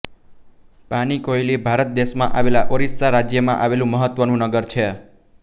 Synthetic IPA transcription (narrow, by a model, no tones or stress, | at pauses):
panikoilibʱaɾət̪̚d̪eʃmã̰ʔaʋelaʔoɾissaɾad͡ʒjəmã̰ʔaʋelũməɦət̪ʋənũnəɡəɾt͡ʃʰe